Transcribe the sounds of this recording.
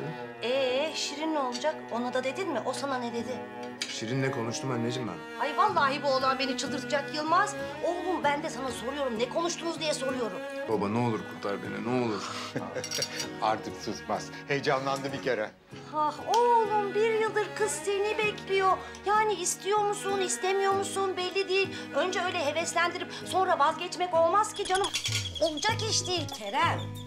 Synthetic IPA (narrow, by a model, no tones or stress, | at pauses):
ɛʃiɾino̞lˠd͡ʒako̞nad̪ad̪e̞d̪inmɪʔo̞sananɛd̪e̞d̪ɪ | ʃiɾinːɛkʰo̞nuʃt̪umbɛnːed͡ʒimbɛ̰nhajvanlˠaːɦibo̞lˠanbe̞nit͡ʃʰɯlˠd̪ɯɾt̪ʰɯd͡ʒakjɯlˠmaz̥olˠumbænd̪ɛsanaso̞ɾujo̞ɾumnɛkʰo̞nuʃt̪ʰunuzd̪ijɛso̞ɾujo̞ɾumbabanɛo̞lˠuɾkʰuɾt̪lˠaɾbenɛ̰nɛo̞lˠuɾ̥ | a̰ɾt̪ʰɯksɯzma̰z̥ | hejd͡ʒamlˠand̪ɯbicʰeɾɛ | haholˠunbiɾjɯlˠd̪ɯɾkʰɯz̥senibɛclʲijo̞ | jaːniːst̪ʰijo̞ɾmusunist̪emijo̞ɾmusunbɛlʲːid̪ijilʲ | ø̞nd͡ʒɛø̞jlʲɛɦe̞vɛslʲænd̪iɾip̚so̞nɾavazɟɛt͡ʃmɛco̞lˠmaz̥cid͡ʒanɯmolˠd͡ʒakiʃt̪iilʲcʲʰeɾæn